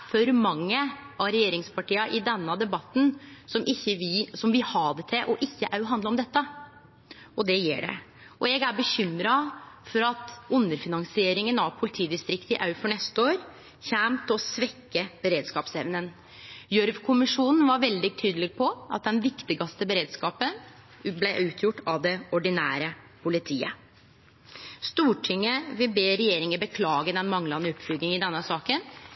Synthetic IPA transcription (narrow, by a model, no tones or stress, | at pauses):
fɔɾmɑŋːəʔɑɾɛjeːɾɪŋspʰɑʈiːɑʔɪd̪ɛnːəd̪ɛbɑt̪ːn̩sɔmʔɪçːəʋɪsɔmʋɪhɑːd̪ɛt̪ʰɪʔɔʔɪçːəʔɑʉɦɑnd̪ləɾɔmd̪ɛt̪ːə | ɔd̪ɛjḛːɖɛ̰ | ʔɔɛɡæɾbəçʏmːɾɑfɔɾɑt̪ʉnːəɾfɪnɑŋsɪeːɾɪŋənɑʋpʰʊlɪt̪ʰiːd̪ɪst̪ɾɪkt̪ɪʔɑʉfɔɳɛst̪əoːɾ | çæːmt̪ɔsʋɛkːəb̥əɾeːd̪skɑːpsɛʋnən | jœɾʋkʰʊmɪʂuːnn̩ʋɑɾʋɛld̪ɪɡt̪ʰyːd̪əlɪɡpʰɔʔɑ̰t̪̚d̪ɛnʋɪkt̪ɪɡɑst̪əbəɾeːd̪skɑːpə | blɛʔʉːt̪ʰjʊʈːɑʋd̪ɛɔɖɪnæ̰ːɾə | pʰʊlɪt̪ʰiːə | st̪uːʈʰɪŋːəʋɪlbeːɾɛjeːɾɪŋəbəkʰlɑːɡəd̪ɛnmɑŋlɑnəʊpːflʏɡɪŋɪd̪ɛnːəsɑːkən